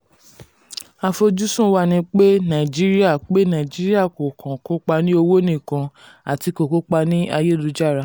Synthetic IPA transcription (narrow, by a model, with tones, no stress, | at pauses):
a˧fo˧d͡ʒu˦sũ˦wa˦˨nĩ˧˦k͡pe˦nã˨d͡ʒi˦ɾi˦a˦˨k͡pe˦nã˨d͡ʒi˦ɾi˦a˦˨ko˨kʰã˨ko˦k͡pa˧nĩ˦o˧wo˦nĩ˦˨kã˧ | a˨ti˧ko˨ko˦k͡pa˧nĩ˦a˧je˦˨lu˧˦d͡ʒa˦˨ɾa˨˧˦